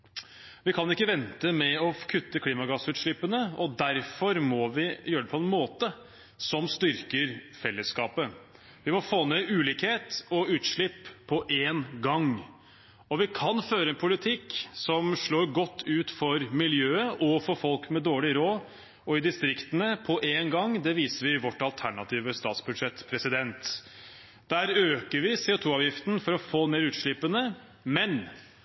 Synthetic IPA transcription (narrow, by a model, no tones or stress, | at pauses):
ʋɪkʰɑnɪkːəʋɛnt̪əmɛɔkʰʉt̪ːəkʰliːmɑɡɑsʉːt̪ʂɭɪpːənəɔd̪æɾfɔɾmɔʋɪjøːɾəɖ̪ɛpʰɔɛnmoːt̪ə | sɔmst̪ʏɾkəɾfɛlːəskɑːpə | ʋɪmɔfoːneʉːliːkheːt̪ɔʉːt̪ʂɭɪpʰːɔʔeːnɡɑŋ | ɔʋɪkʰɑnføːɾəɛnpʰʊlɪt̪ʰɪkːsɔmʂɭoːɾɡɔt̪ʰːʉːt̪fɔɾmɪljøːəʔɔfɔɾfɔlkmɛd̪oːɭɪɾoː | ɔɪd̪ɪst̪ɾɪkt̪ənəpʰɔʔeːnɡɑŋːd̪ɛʋiːsəɾʋɪʋɔʈːɑlt̪ʰæɳɑt̪ʰiːʋəst̪ɑ̰ːt̪sbʉd̪ʂɛt̪ːpʰɾɛsɪd̪ɛnt̪ | d̪̥æːɾøːkəɾʋɪseːʊt̪ʰuːɑːʋjɪft̪n̩fɔɾɔfoːneːɾʉːt̪ʂɭɪpːənə | mɛn